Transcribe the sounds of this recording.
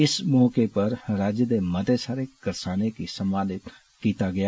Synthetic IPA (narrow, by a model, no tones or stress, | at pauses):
ɪsmɔːkepɐɾɾaːd͡ʒjəd̪emɐd̪esaːɾekɐɾsaːnekisɐmaːlɪt̪ | kiːt̪aɡɐja